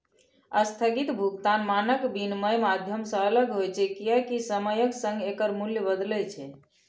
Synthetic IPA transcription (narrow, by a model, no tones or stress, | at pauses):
əst̪ʰəɡit̪bʱuɡt̪anmanəkbinməjmad̪ʱjəmsə̃ələɡɦojt͡ʃʰɛkijəkisəməjəksə̃ŋɡekəɾmuljəbəd̪lɛt͡ʃʰɛ